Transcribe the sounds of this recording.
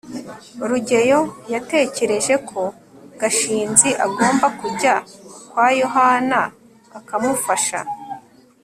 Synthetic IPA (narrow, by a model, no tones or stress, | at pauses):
ɾuɟe̞jo̞jate̞ːce̞ɾe̞ʒe̞kʰo̞ | ɡ̥aʃiːnziʔaɡo̞ːmbakuɟakwaːjo̞ɦanaː | kamufaʃa̰